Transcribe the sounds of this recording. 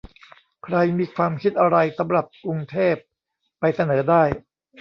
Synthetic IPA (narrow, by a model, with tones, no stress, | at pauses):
kʰɾa˧jmiː˧kʰwaː˧mkʰi˦˥t̪̚ʔa˧ɾa˧jsa˩˦mɾa˨˩p̚kɾu˧ŋt̪ʰeː˥˩p̚ː | a˧jsa˧nɤː˩˦daː˥˩j